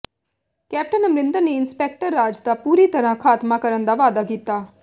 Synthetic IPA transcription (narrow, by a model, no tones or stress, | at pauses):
kɛːp̚ʈənəmɾɪnd̪əɾneɪnspɛːk̚ʈəɾːaːd͡ʒd̪aːpuːɾiːt̪əɾãːkʰaːt̪maːkəɾənd̪aːʋaːd̪aːkiːt̪ːaː